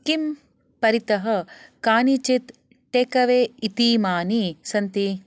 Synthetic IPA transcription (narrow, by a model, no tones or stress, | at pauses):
kim | pɐɾit̪ɐɦɐ̆kaːnit͡ʃit̪ | ʈeːkɐʋeːit̪iːmaːnisɐnt̪i